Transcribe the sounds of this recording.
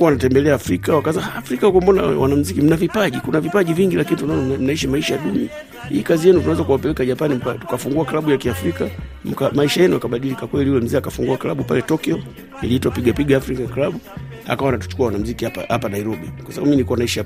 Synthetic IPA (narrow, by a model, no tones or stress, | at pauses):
kuwanatɛmbɛlɛaːfɾikawakazaaːfɾikakɔmbɔna̰wa̰nam̩zikim̩navipaʄikunavipaʄiviŋɡilakinitunaɔn̩naiʃamaiʃajaɗumi | hḭːkazijɛnutunawɛzakuwapɛlɛkaʄapanim̩patu̥kafuŋɡuakilaɓujakiafɾika | m̩kamaiʃajɛnujakaɓaɗilikakwɛliuwɛm̩zɛakafuŋɡuaklaɓupalɛtɔkiɔ | iliitwapiɡapiɡaːfɾikaklaɓu | ha̰kawanatu̥t͡ʃu̥kuawanam̩zikihapaha̰panaiɾɔɓikwasaɓaɓuminikuwanaiʃaa